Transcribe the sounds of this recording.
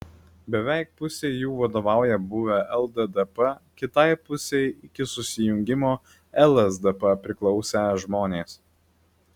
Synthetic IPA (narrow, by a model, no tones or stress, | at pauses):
bʲɛʋʲɛˑɪk̚pʊsʲeɪjuːʋɐd̪oːʋɑˑʊjɛbʊʋʲɛʔɛlˠd̪ɛd̪ɛpɐkʲɪt̪ɐɪpʊsʲɛɪɪkʲɪsʊsʲɪjʊŋʲɡʲɪmoː | ɛlˠɛzd̪ɛpɐpʲɾʲɪklˠɒʊsʲɛʒmoːnʲeːs